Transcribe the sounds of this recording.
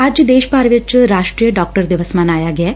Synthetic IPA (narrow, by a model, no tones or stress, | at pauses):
aːd͡ʒd̪eːʃpaːɾʋɐt͡ʃːɾaːʂʈɾiːjɐɖaːk̚ʈɐɾd̪iʋɐsmaːnaːjaːɡe